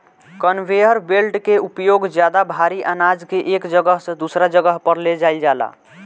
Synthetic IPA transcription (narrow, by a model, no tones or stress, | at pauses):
kənwejəɾbelʈkeupjoɡd͡ʒjad̪abʱaɾiʔənad͡ʒkeʔekd͡ʒəɡəɦsə̃d̪usɾad͡ʒəɡəɦpəɾled͡ʒaɪld͡ʒala̰